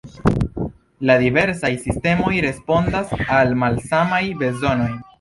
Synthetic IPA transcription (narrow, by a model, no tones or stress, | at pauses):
ladive̞ɾsajsiste̞mo̞jɾe̞spo̞ndasalmalsamajbe̞zo̞no̞j